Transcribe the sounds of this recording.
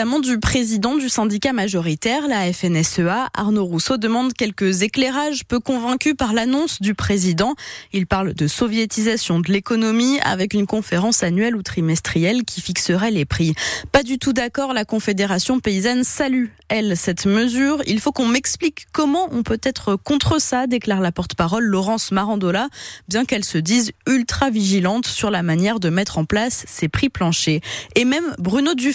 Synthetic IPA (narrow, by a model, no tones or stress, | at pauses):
amɑ̃d̪ypχezid̪ɑ̃d̪ysɛ̃d̪ikamaʒɔʁit̪ɛʁlaɛfɛnɛsøaʔa̰ʁnoʁusod̪əmɑ̃d̪kʲɛlkəzekleʁaʒpøkɔ̃vɛ̃kʲypaʁlanɔ̃sd̪ypχezid̪ɑ̃ilpaʁld̪əsɔvjet̪izasjɔ̃d̪əlekɔnɔmia̰vɛkynkɔ̃feʁɑ̃sanɥɛlut̪χimɛst̪χijɛlkʲʰifiksəʁɛlepχipad̪yt̪ud̪akɔʁlakɔ̃fed̪eʁasjɔ̃peizansaly | ɛlsɛt̪məzyʁḭlfokɔ̃mɛksplikːɔmɑ̃ʔɔ̃pøt̪ɛt̪χəkɔ̃t̪χəsad̪eklaʁlapɔʁt̪ə̥paʁɔlːɔʁɑ̃smaʁɑ̃d̪olabjɛ̃kɛlsəd̪izylt̪χaviʒilɑ̃t̪syʁlamanjɛʁd̪əmɛt̪χɑ̃plasːepχiplɑ̃ʃeːmɛmbʁynod̪y